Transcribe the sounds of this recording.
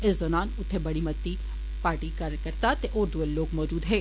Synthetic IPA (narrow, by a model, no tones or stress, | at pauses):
ɪsd̪ɔːnaːnʊt̪ʰːebɐɽimɐt̪ːi | paːɾʈikɐɾkɐɾt̪at̪eʔoːɾd̪uelloːɡmɔːd͡ʒuːd̪ɦɛ̃ː